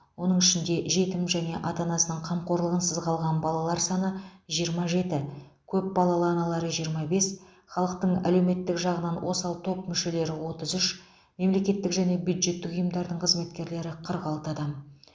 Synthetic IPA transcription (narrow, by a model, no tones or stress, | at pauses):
wo̞nəɴɪʃɪnd̪e̞ʒe̞t̪ɪmʒæne̞ʔɑt̪ɑnɑsənəɴqʰɑmqo̞ɾlˠəʁənsəzqʰɑlˠʁɑnbɑlˠɑlˠɑɾsɑnəʒijəɾmɑʒe̞t̪ɪ | kʲʰɵp̚bɑlˠɑlˠənɑlˠɑɾəʒijəɾmɑbe̞s | χɑlˠəq̚t̪əɴæ̰le̞wme̞t̪ːɪkʒɑʁənɑnwo̞sɑlˠt̪ʰo̞pmʏʃe̞le̞ɾɪwo̞t̪əzʏʃ | me̞mle̞kʲe̞t̪ːɪkʒæne̞bjud̪ʒe̞t̪ːɪkʊjəmd̪ɑɾd̪əɴqʰəzme̞t̪kʲe̞ɾle̞ɾɪqʰəɾʁɑlˠt̪ɑd̪ɑm